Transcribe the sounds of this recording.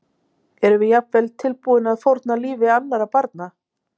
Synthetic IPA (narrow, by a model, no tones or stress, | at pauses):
ɛɾʏvɪjapvɛlt̪ʰːɪlpuːðɪnaðθfowɾt̪naliːvɪanːaɾapaɾt̪na